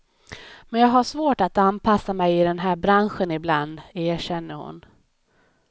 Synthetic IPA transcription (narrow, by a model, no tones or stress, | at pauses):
mɛnjaːɡɦaʂvoːʈat̪anpʰasːamɛjɪd̪ɛnɦæːɾbɾanɧənɪbland̪eːɕɛnːəɾhʊ̰n